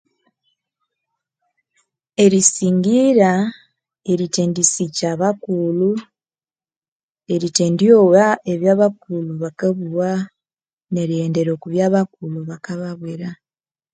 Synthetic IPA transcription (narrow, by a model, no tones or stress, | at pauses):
e̞ɾisiːŋɡiɾa | e̞ɾiteːndisicaβakulu | e̞ɾite̞ːndjowae̞βjaːβakuluβakaβuwa | ne̞ɾieːnde̞ɾo̞ːkuβjaːβakuluβakaβaβweɾa